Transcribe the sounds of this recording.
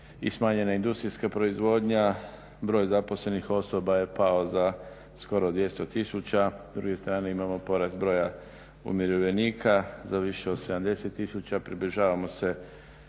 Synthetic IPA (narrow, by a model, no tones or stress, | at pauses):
ḭsmaːɲe̞naind̪ust̪ɾijskapɾo̞izʋo̞ːd̪ɲa | bɾo̞ːjzapo̞sle̞nixo̞so̞baje̞pao̞za | sko̞ɾod̪ʋje̞st̪o̞t̪isut͡ɕad̪ɾuɡe̞st̪ɾaːne̞imamo̞po̞ɾast̪bɾo̞ja | ṵmjeɾoʋeniːkʰazaʋiʃe̞o̞d̪se̞d̪amd̪e̞se̞t̪ːisut͡ɕapɾiblʲiʒaːʋamo̞se